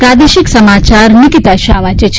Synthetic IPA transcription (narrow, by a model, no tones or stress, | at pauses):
kaːd̪eʃiksɐmaːt͡ʃaːɾnikit̪aʃaːʋat͡ʃet͡ʃʰ